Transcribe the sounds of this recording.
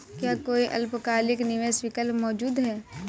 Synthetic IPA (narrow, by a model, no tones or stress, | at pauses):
kjaːkoːiʔɐ̰lpkaːlɪknɪʋeswikəlmɔːd͡ʒuːd̪ɦɛː